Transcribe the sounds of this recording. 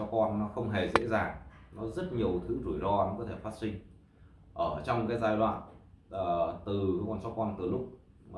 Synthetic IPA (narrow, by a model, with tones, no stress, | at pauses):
sɔ˨˦˥kɔ˧nnɔ˨˦xə˧wŋ͡mɦe˨˩zḛ˧˥zaː˨˩ŋnɔ˨˦zə˦˥t̚ɲi˨˩əwt̪ʰɨ˨˦zu˧˩jzɔ˧nɔ˨˦kɔ˨˦t̪ʰe˧˩faː˦˥t̚sï˧ŋ̟ | ʔəː˧˩t͡ɕɔ˧wŋ͡mkaː˨˦jzaː˧jɗwa̰ː˧˨nː˨˩ | t̪ɨ˨˩kɔ˨˩nsɔ˨˦˥kɔ˧nt̪ɨ˨˩lʊ˦˥k͡p̚